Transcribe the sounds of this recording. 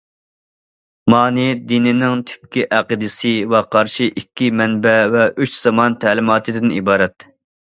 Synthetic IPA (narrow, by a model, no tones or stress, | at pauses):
mɑːnɨjɛd̪inɪnɪŋt̪ʰɪ̥p̚kʲiʔæqɨd̪ɨsɨwɛqʰɑɾʃiʔikʲːimɛnbɛvɛyt͡ʃz̥ɑmɑnt̪ʰæːlɪmɑːt̪ʰɨd̪ɪnibɑːɾɛt̪